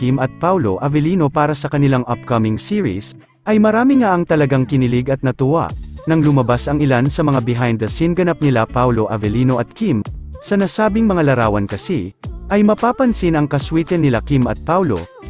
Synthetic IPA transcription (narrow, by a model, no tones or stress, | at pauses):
kimɐt̪̚pawloʔɐvɛliːno̞paːɾɐsɐkɐnɪlaŋʔɐp̚kɐmɪŋsiːɹḭs | ʔɐjmɐɾaːmɪŋaʔɐŋt̪ɐlɐɡaŋkɪnɪlɪɡɐt̪̚nɐt̪ʊwa̰ʔnɐŋlʊmɐbasɐŋɪlansɐmɐŋabɪɦajnd̪ɐsinɡɐnap̚nɪlapawlo̞ʔɐvɛliːno̞ʔɐt̪̚kimsɐnasaːbɪŋmɐŋalɐɾaːwɐnkɐsiʔɐjmɐpaːpɐnsinɐŋkɐswiːt̪ɛnːɪlakimɐ̰t̪̚pawlo̞̰